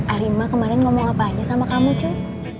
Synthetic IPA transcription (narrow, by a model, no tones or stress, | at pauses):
aɾimakəmaɾɛnŋomɔŋapaɲasamakamut͡ʃʊ